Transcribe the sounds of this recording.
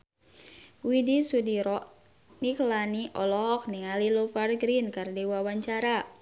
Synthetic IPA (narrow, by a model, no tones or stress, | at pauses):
widisudiɾɔʔ | niklaniʔɔlɔɦɔk̚niŋalilofarɡɾinkardiwawaɲt͡ʃaɾa